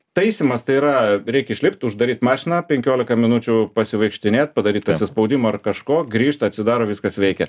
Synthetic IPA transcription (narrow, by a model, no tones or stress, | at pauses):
t̪ɐɪsʲimɐst̪ɐɪiːɾɐɾʲɛɪkɪʃʲlʲɪp̚ʲt̪ʲʊʒd̪ɐɾʲiːt̪mɑːʃʲɪnɑːpʲɛŋʲkʲoːlʲɪkɐmʲɪnut͡ʃʲʊpɐsʲɪʋɐɪkʃʲt̪ʲɪnʲeːt̪̚pɐd̪ɐɾʲiːt̪ɐsʲɪspɐʊd̪ʲɪmoːɐrkɐʃkoːɡɾʲiːʃt̪ʲɐt̪ʲsʲɪd̪ɑːɾoːʋʲɪskɐsʋʲɛɪkʲɛ